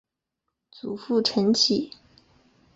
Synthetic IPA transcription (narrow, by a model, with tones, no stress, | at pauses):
t͡su˨˩fu˥˩ʈ͡ʂʰə˧˥nt͡ɕʰi˨˩˦